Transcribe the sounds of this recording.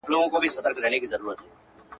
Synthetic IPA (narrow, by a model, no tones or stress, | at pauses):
loːɡõːkobʱisəd̪əɾkɾɛːnekizəɾuːɾət̪ɦɛː